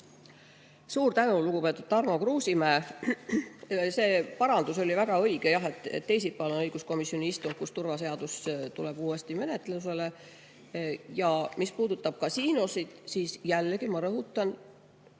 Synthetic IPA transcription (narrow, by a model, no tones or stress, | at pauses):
suːɾt̪ænuluɡ̥upe̞t̪ːˑud̪̥t̪ːɑrmo̞kruːsimæːf | se̞ːpɑɾɑnd̪uso̞lʲivæɡ̥ɑɤ̞jɡ̥ejɑɦe̞t̪ːˑḛt̪ːe̞js̬ipːˑɑlonɤjɡ̥usko̞misjo̞niist̪uŋɡ̥̚kust̪uɾvɑse̞ɑd̪̥ust̪ule̞b̥uːe̞st̪ime̞ne̞t̪ːˑlus̬e̞le̞ | jɑmispuːd̪̥ut̪ːˑɑb̥̚kɑsiːnosid̪̥siːsjælːeɡimɑɾɤɦut̪ːˑɑn